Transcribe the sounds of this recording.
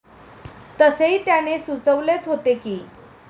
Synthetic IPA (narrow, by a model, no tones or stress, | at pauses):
t̪əseiːt̪janesut͡səʋlet͡sɦot̪ekiː